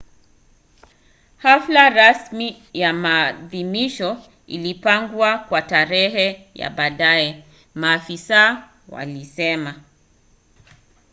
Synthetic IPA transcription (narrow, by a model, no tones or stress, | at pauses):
haflaɾasmi | jamaːðimiʃɔ | ilipaŋɡwakwataɾɛɦɛ | ja̰ɓaɗajɛ | maːfisaː | wa̰lisɛma